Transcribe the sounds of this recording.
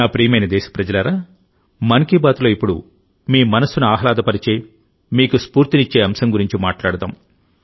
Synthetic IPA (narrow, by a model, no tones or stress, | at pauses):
aːpɾiːmɐjnɐd̪ɛːʃɐ̥pɾɐd͡ʒɐlɐɾaː | mɐnkibaːt̪lo̞ːipːuɽṵ | miːmɐnɐsːunuaːɦɐlaːd̪ɐpɐɾit͡ʃe̞ː | miːkuspuːɾt̪init͡ʃːe̞ːɐmsɐŋɡuɾiɲt͡ʃima̰ːʈlaːɽɐd̪a̰ːm